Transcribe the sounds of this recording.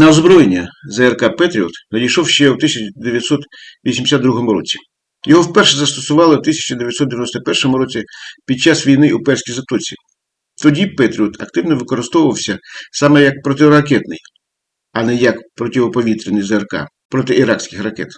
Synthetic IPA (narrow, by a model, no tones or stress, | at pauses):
nɐɔzbɾɔjenʲːɐzɛɛrkɑpɛt̪ɾʲiɔ̰t̪nɐdʲijʃɔwʃt͡ʃɛwt̪ɪsʲɐt͡ʃd̪eʋjɐt̪ʲsɔt̪ʋʲisʲimd̪ʲsʲad̪d̪ɾuɦɔmʊɾɔ̰t͡sʲi̥ | jɔɦɔwpɛrʃɛzɐst̪ɔsʊʋɑlˠɪwt̪ɪsʲɐ̥t͡ʃɐd̪eʋʲjɐt̪ʲsɔt̪d̪eʋʲjnɔst̪ɔpɛrʃɔmʊɾɔt͡sʲipʲid̪̚t͡ʃɑsʋʲijnɪupɛrsʲkʲijzɐt̪ɔt͡sʲḭ | t̪ɔdʲipɛt̪ɾʲiɔt̪ʰɐ̰kt̪ɪwnɔʋɪkɔɾɪst̪ɔʋʊʋɐwsʲɐsɑmɛjɐk̚pɾɔt̪ɪɾɐkɛt̪nɪ̰j | ɐnɛjɐkpɾɔtʲiʋɔpɔʋʲit̪ɾʲɪnɪjzɛrkɑ̰ | pɾɔt̪ɪʔiɾɑksʲkʲɪxrɐkɛ̰t̪